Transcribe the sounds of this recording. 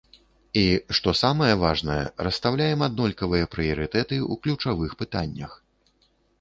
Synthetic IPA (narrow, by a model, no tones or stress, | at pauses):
iʂt̪ɔsamɐjɛvaʐnɐjɛ̰ɾɐst̪awlʲajɛmad̪̚nɔlʲkɐvɨjɐpɾɨjɐɾɨt̪ɛt̪ɨuklʲut͡ʂavɨxpɨt̪anʲːɐ̰x